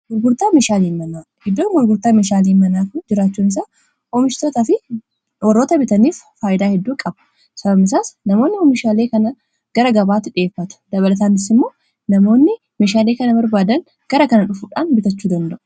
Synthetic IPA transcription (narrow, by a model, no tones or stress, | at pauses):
ɡʊɾɡʊɾt̪aːmeːʃaːliːnmːɐnaːhɪd̪ːoːŋɡʊɾɡʊɾt̪aːmeːʃaːliːnmɐnaːkʊd͡ʒɪɾaːt͡ʃːuːnɪs̬aː | omɪʃt̪oːt̪afɪ | wɔrːoːt̪ɐbɪt̪ɐniːffaːjɪd̪aːhɛd̪ːuːkʼɐbɐ̥ | sɐbɐbɪsaːsnɐmo̞ːnːɪoːmɪʃaːleːkɐnɐ | ɡ̥ɐɾɐɡɐbaːt̪ːɪᶑe̞ːfːɐt̪ʊ̥d̪̥ɐβɐlɐt̪̬aːnɪsɪmːo̞ː | nɐmo̞ːnːɪ | meːʃaːle̞ːkɐnɐbɐɾbaːd̪ɐŋ | ɡ̥ɐɾɐkɐnɐᶑʊfuːᶑaːnbɪt̪ɐt͡ʃːuːd̪ɐnd̪ɐʔʊ̥